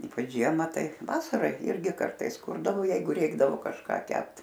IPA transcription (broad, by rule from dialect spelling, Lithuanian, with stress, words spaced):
ˈiːpɐt͡ʃ ˈʒʲiɛmɐ ˈtɐɪ ˈʋɑːsɐrɐ ˈɪrʲɡʲɪ ˈkɐrtɐɪs ˈkʊrdɐʋoː ˈjɛɪɡʊ ˈrʲɛɪɡdɐʋoː kɐʃˈkɑː ˈkʲɛpt